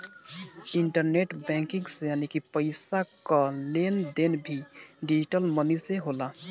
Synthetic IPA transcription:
ɪɳʈəɾneʈbɛ̃ŋkɪ̃ŋɡsejaːnikipəɪsakalend̪enbʱiɖid͡ʒiʈəlməniseɦoːla

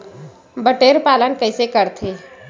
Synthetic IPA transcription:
bəʈeːɾpaːlənkəɪsekəɾt̪ʰeː

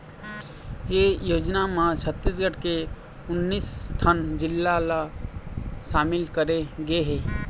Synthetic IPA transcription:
ejoːd͡ʒnamãt͡ʃʰət̪ːis̬ɡəʈke | ʊnːiːst̪ʰənd͡ʒɪlːala | ʃaːmɪlkəɾeɡeɦeː

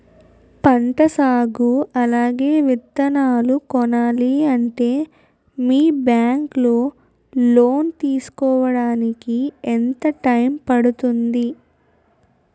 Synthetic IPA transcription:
pɐɳʈɐsaːɡuɐlaːɡe̞ːʋit̪ːɐnaːlukɔnaːliɐɳʈe̞ː | miːbjaːŋkloː | loːnt̪iːsu̥kɔːʋɐɽaːnikient̪ɐʈɐjmpɐɽut̪und̪i

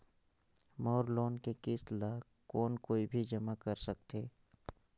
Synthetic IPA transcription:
mɔːɾloːnkekɪslaː | kɔːnkoːibʱid͡ʒɐmakɐɾsɐk̚t̪eː

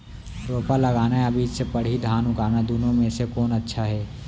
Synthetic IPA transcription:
ɾoːpalɐɡaːnaɐbiːd͡ʒsepɐɽ̤id̪ʱaːnʊkaːnad̪uːnõmẽsekɔːnɐtːʃʰaɦɛː

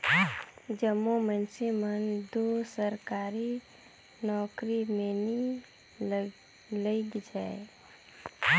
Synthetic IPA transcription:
d͡ʒəmːomənsemənd̪osəɾkaːɾi | nɔːkɾimeni | ləiɡd͡ʒaːe

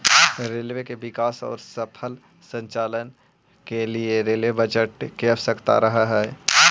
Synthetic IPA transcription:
ɾeːlʋekeʋɪkaːsɔ̰ːɾsəpʰəl | sə̃ɲt͡ʃaːlən | kelieɾeːlʋebɐd͡ʒəʈkebsəkt̪a̰ɾɐɦaɦɛː

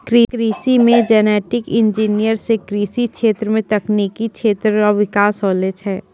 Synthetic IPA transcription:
kɾiːkɾiːsimẽd͡ʒɛːnɛːʈɪkɪ̃nd͡ʒiːnijəɾsekɾiːsikʃeːt̪ɾəmẽt̪ɐknikikʃʰeːt̪ɾɔʋɪkaːsɔːled͡ʒɦɛː

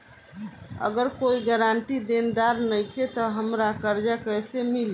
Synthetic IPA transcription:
ə̰ɡəɾkoiɡəɾaɳʈid̪end̪aɾnəjkʰet̪ɔɦəmɾakəɾd͡ʒakəjsemili

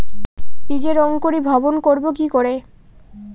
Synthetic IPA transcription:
pid͡ʑeɾɔŋkoɾibʱɔbonkoɾbokikoɾe

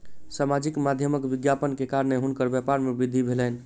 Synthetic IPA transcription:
samad͡ʒikmad̪ʱjəməkʋiɡjapənkekaɾəneɦunkəɾbjapaɾmebid̪ʱibʱelən̆

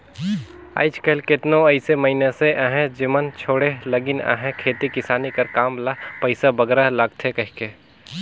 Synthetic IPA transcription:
a̰ːɪt͡ʃkəlkɪt̪nõɐɪseməɪneseʔaɦɛ̃d͡ʒɪmənt͡ʃʰoːɽeləɡɪna̰ɦɛ̃kʰeːt̪ikɪsaːnikɐɾkaːmlapəɪsabəɡɾalaɡt̪ʰekɐɦke

